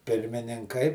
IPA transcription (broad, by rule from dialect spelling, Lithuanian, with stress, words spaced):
pʲɪrʲmʲɪnʲɪŋˈkɐɪ